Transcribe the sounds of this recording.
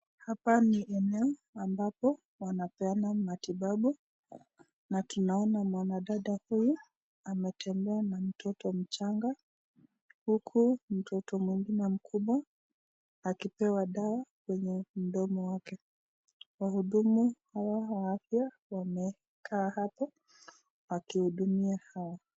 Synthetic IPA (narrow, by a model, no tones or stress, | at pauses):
hapaniʔɛnɛɔambapɔ | wanapɛanamatiɓaɓu | natunaɔnamwanaɗaɗahuju | amɛtʰɛmbɛanam̩tʰɔtɔm̩t͡ʃaŋɡa | hukʰum̩tʰɔtɔmwiŋɡinɛm̩kʰuɓwaː | kipɛwaɗaakwɛɲɛm̩ɗɔmɔwakɛ | wahuɗumuhawawaafja | wamɛ | kʰaːhapɔ | wakihuɗumiahawa